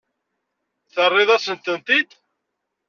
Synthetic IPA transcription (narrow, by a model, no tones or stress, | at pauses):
θərˤːɪðˤæsənt̪ənt̪id̪